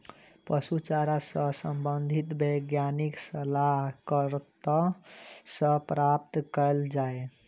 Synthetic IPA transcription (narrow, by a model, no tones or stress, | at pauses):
pəsut͡ʃaɾasəsəmbənd̪ʱit̪bəɡjaniksəlaɦkəɾt̪a | səpɾap̚t̪kəld͡ʒae